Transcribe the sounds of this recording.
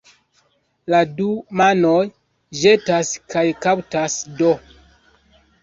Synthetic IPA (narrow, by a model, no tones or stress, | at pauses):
ladumanoj | ʒe̞taskajkawtasdo